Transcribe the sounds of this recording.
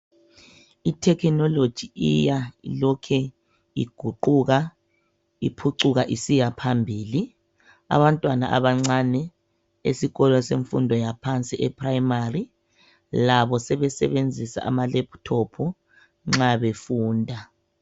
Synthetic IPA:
itʰɛkʰnɔlod̥ʒ̥ʱiijailɔkʰɛ | ḭɡ̥ʱuǃuɣa | ḭpʰuǃuɣaʔisijapʰambʱiːli | a̰βantʼwana̰ʔa̰βaŋ͡ǀanɛ | esiɣɔlɔseɱfundʱɔjapʰant͡sʼiʔɛpʰraimari | laβɔsɛβɛsɛβend͡zʱisa̰ʔamalɛpʰtʰɔpʰɔ | ŋ͡ǁaβefuːndʱa

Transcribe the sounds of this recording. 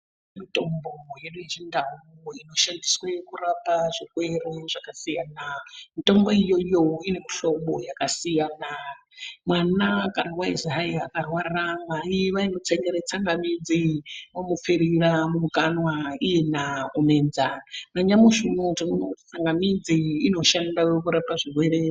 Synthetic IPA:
mito̞mbojeɗud͡ʒindauino̞ʃandiswe̞kurapaʐikwereʐakasijanamito̞mbo̞ijojoine̞miɬo̞mbojakasijana | mwanakanawaizɦaiakarwarramaiʋainot͡seŋɡeɾet͡saŋɡamid͡ziwomup͡feɾiramumukanwaije̞naumend͡zanaɲamuʐinotimunokuti̥t͡saŋɡamid͡ziːno̞ʃandawekuɾapaʐiɦwe̞ɾe

